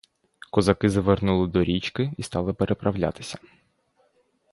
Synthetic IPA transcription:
kɔzɐkɪzɐʋernulˠɪd̪ɔɾʲit͡ʃkɪist̪ɑlˠɪpeɾʔepɾʔɐwlʲa̰t̪ɪ̥sʲɐ

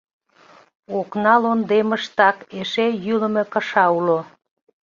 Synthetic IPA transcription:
oknɑlond̪eməʃt̪ɑkeʃejyləmekəʃɑulo

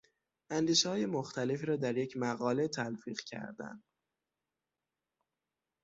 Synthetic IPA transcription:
ʔænd̪iːʃehɒːje̞moxt̪æle̞fiːɾɒːd̪æɾje̞cʰmæɣɒːle̞t̪ʰælfiːɣ̥cʰæ̰ɾd̪æ̰nd̪

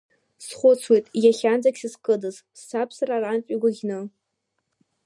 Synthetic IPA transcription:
sχʷʊt͡sʰwejtʼjaχʲand͡zakʲsɨskʼɨdɨz | sːapʰsararant͡ʃʼiɡʷaɡʲnɨ

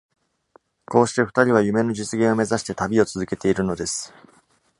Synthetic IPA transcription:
ko̞ːɕi̥t̪e̞ɸɯ̟̥t̪aɾʲiβajɯ̟me̞no̞d͡ʑit͡sɨɡʲẽ̞o̞me̞zaɕi̥t̪e̞t̪abʲio̞t͡sɨzɨke̞t̪e̞iɾɯ̟no̞d̪e̞sɨ̥

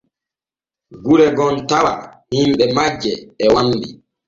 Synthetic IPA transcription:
ɡuɾɛɡɔntawa̰himɓɛmad͡ʒːɛːwamdḭ

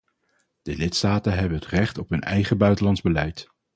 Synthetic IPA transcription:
d̥əlɪtstaːtənɦɛbənɦətrɛχtɔpɦɵnɛ̰jχəbœɥtəlɑndzbəlɛjt

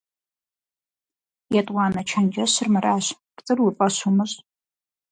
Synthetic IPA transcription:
jatʼwaːnat͡ʃʰand͡ʒaɕʷɨrmaɾaːɕ | rt͡sʼɨrwipʼaʃʷumɨɕʼ

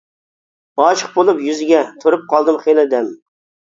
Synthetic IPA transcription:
ɑt͡ʃʰə̥q̚bolˠupjyzɪɡʲɛt̪ʰoɾɨp̚qʰɑlˠd̪ɨmχelˠɪd̪ɛm

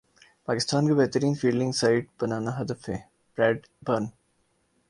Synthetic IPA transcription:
paːkɪst̪aːnkabɛɦt̪əɾiːnfiːlɪ̃ŋɡsaɪʈ̚bɐnaːnaɦɐd̪əfɦɛː | bɾɛːɖ | bəɾn

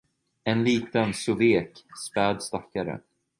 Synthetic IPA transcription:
ɛnliːt̪ənsʊveːkspɛːd̪st̪akːaɾə̰

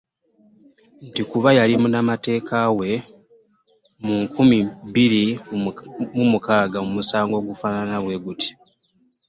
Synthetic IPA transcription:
ntikuβajalimunamate̞ːkʰawe̞ | muŋkumibiɾi | mumukaːɡamumusaːŋɡo̞ːɡufaːnanaβwe̞ɡuti̥

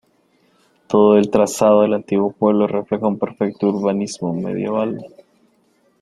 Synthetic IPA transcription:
t̪oðoelt̪ɾasaðoðelant̪iɣwo̞pwe̞β̞loreflexoumpeɾfek̚t̪ouɾβanizmomḛð̞je̞̰β̞al

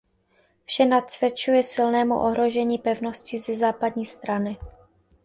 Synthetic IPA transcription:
fʃɛnat̪svjɛt͡ʃujɛsɪlnɛːmṵʔoɦɾo̞ʒɛɲiːpɛvno̞scɪzɛzaːpadɲiːst̪ɾanɪ

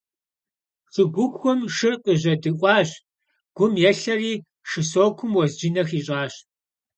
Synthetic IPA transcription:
ɕɨɡʷʊxʷɔmʂɨrqəʑɐdɨʔʷʼɑːɕ | ɡ̥ʷʊmjɛɬɐriː | ʂɨsoːkʷʰʊmwɔzd͡ʒɪnɐxiːɕʼɑːɕ

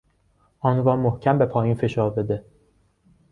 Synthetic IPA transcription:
ʔɒːnɾɒːmohcʰæmbe̞pʰɒːjiːnfe̞ʃɒːɾbe̞d̪e

